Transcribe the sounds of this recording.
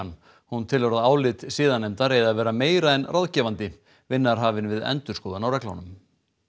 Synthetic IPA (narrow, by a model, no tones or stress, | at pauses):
n | hunt̪ʰɪlvɔɾaðaːwlɪt̪siːðanɛmt̪aɾejðaðvɛːɾameːjɾaɛnraðcɛːvant̪ɪ | vɪnːaɾ̥ɦaːvɪnvɪðɛ̰nt̪ʏɾ̥skɔːðanawɾɛkla̰wnʏm